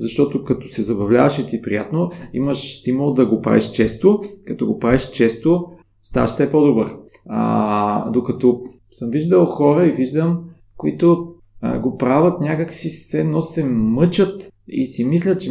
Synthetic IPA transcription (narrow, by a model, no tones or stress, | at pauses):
zɐʃt̪ɔt̪okɐt̪ɔsɛzɐbɐvlʲavɐʃɛt̪ipɾijat̪noḭmɐʃst̪imulˠd̪ɐɡopɾa̰vḭʃt͡ʃɛst̪okɐt̪ɔɡopɾaviʃt͡ʃɛst̪o | st̪a̰ʃsɛpɔd̪obəɾ | a̰d̪okɐt̪ɔ | səmviʒd̪əlˠxɔɾəiviʒd̪əm | koit̪o̰ | ɡopɾavət̪nʲakəkfsissɛnɔssɛmɤt͡ʃət̪ | ḭsimislʲət̪̚t͡ʃɛ